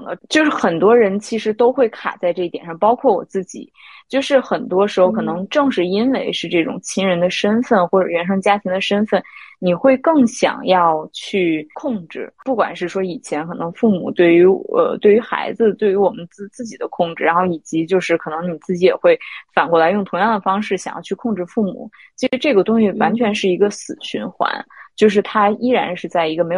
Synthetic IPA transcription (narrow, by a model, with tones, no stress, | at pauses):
ŋə̰˦t͡ɕjo˥˧ʊʂɻ̩˥˩xə˨˩nt̪wɔ˥ɻə˧˥nt͡ɕʰi˧˥ʂɻ̩˧˥t̪o˥ʊxwe˥˩ɪkʰa̰˨˩t͡sa˥˧ɪʈ͡ʂɤ˥˧i˥˩jɛ˨˩nʂɑ˥˩ŋpɑ˥ʊkʰwɔ˥˩wɔ̰˨˩t͡sɹ̩˥˩t͡ɕḭ˨˩˦t͡ɕjo˥˧ʊʂɻ̩˥˩xə˨˩nt̪wɔ˥ʂɻ̩˧˥xo˧ʊkʰɤ˨˩nɤ˧˥ŋʈ͡ʂɤ˥˧ŋʂɻ̩˥˩i˥nwe˧˥ɪʂɻ̩˥˧ʈ͡ʂɤ˥˩ʈ͡ʂʊ̰˨˩ŋt͡ɕʰi˥ŋɻə˧˥nd̪ə˧ʂə˥nfə˥˩nxwɔ˥˩ʈ͡ʂɤ˨˩ɥɛ˧˥nʂ̬ɤ˥ŋt͡ɕja˥t̪ʰi˧˥ŋd̪ə˧ʂə˥nfə˥˩nni˨˩xwe˥˧ɪkɤ˥˩ŋɕjɑ̰˨˩ŋjɑ˥˧ʊt͡ɕʰy˥˧kʰʊ˥˧ŋʈ͡ʂɻ̩˥˩pu˥˩kwa̰˨˩nʂɻ̩˥˩ʂwɔ˥i˨˩t͡ɕʰjɛ˧˥nkʰɤ˨˩nɤ˧˥ŋfu˥˩mṵ˨˩˦t̪we˥˩ɪy˧˥ə̰˧t̪we˥˩ɪy˧˥xa̰˧˥ɪd͡zɹ̩˧t̪we˥˩ɪy˧˥wɔ˨˩mə˦n̩˥˧t͡sɹ̩˥˩t͡ɕi˨˩d̪ə˦kʰʊ˥˧ŋʈ͡ʂɻ̩˥˩ɻa˧˥nxo˥˩ʊi˨˩t͡ɕi˧˥t͡ɕjo˥˧ʊʂɻ̩˥˩kʰɤ˨˩nɤ˧˥ŋni˨˩t͡sɹ̩˥˩t͡ɕi˧˥jɛ̰˨˩xwe˥˩ɪfa˨˩nkwɔ˥˩la˧˥ɪjʊ˥˩ŋt̪ʰʊ˧˥ŋjɑ˥˩ŋd̪ə˩fɑ˥ŋʂɻ̩˥˩ɕjɑ̰˨˩ŋjɑ̰˥˧ʊt͡ɕʰy˥˧kʰʊ˥˧ŋʈ͡ʂɻ̩˥˧fu˥˩mṵ˨˩˦ | t͡ɕʰi˧˥ʂɻ̩˧˥ʈ͡ʂɤ˥˩ɡə˩t̪ʊ˥ŋy˥˩wa˧˥nt͡ɕʰɥɛ˧˥nʂɻ̩˥˩i˧˥ɡə˧sɹ̩˨˩ɕy˧˥nxwa̰˧˥nt͡ɕjo˥˧ʊʂ̬ɻ̩˥˩t̪ʰa˥i˥ɻa˧˥nʂɻ̩˥˧t͡sa˥˩ɪi˧˥ɡə˧me˧˥ɪ˨